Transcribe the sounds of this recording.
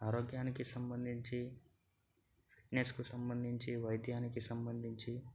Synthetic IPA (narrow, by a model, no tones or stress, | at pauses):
aːɾoːɡjaːnikisɐmbɐnd̪ʱiɲt͡ʃi | pʰi̥ʈneskusɐmbɐnd̪ʱiɲt͡ʃiʋɐjd̪ʱjaːnikisɐmbɐnd̪ʱiɲt͡ʃi